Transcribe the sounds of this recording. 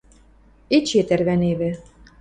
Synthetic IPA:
et͡ɕet̪ærβæneβɘ̆

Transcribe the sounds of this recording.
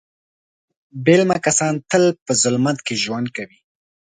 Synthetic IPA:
belmakasɑnt̪əlpəzʊlmat̪keʒwand̪̚kawi

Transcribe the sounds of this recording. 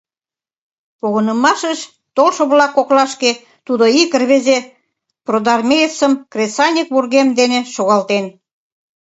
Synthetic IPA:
poɣə̆nə̆mɑʃəʃ | t̪olʃŏβlɑkːoklɑʃke | t̪ud̪oikə̆rβeze | prod̪ɑrmʲejəsə̆mkrʲesɑnʲik̚βurɣemd̪eneʃoɣɑlt̪en

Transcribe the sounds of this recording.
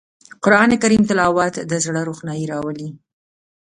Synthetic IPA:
qʊɾɑnekaɾimt̪ɪlɑwɑt̪d̪əzɽəɾuxnɑjiɾɑwəli

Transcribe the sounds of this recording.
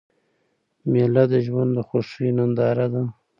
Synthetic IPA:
melad̪əʒwand̪d̪əxoʂinand̪ɑɾad̪a

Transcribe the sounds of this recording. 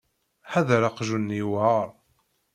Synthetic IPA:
ħaðɾaqʒunːiwaɾˤ

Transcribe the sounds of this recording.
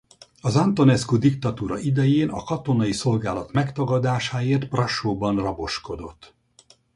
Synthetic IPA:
ɒzant̪o̞nɛskud̪ikt̪ɒt̪uːɾɒʔid̪ɛjeːnɒ̰kɒt̪o̞nɒjiso̞lɡaːlɒt̪mɛkt̪ɒɡɒd̪aːʃaːeːrt̪̚prɒʃoːbɒnrɒbo̞ʃko̞d̪o̞t̪ː

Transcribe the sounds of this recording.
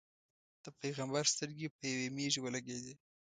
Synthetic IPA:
d̪̥əpeɣambaɾst̪əɾɡepəjawemeʒwəlaɡed̪i

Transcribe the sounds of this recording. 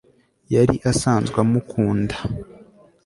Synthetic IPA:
jaɾiʔasaːnzɡwamukʰuːnda

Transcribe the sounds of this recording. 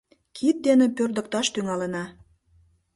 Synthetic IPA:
kʰit̪̚d̪enĕpørd̪ə̆k̚t̪ɑʃt̪yŋɑlə̆nɑ

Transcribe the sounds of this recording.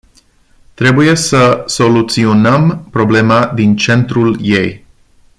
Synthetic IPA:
t̪ɾe̞buje̞səso̞lut̪sio̞nəmpɾo̞ble̞mad̪int͡ʃe̞nt̪ɾulje̞j

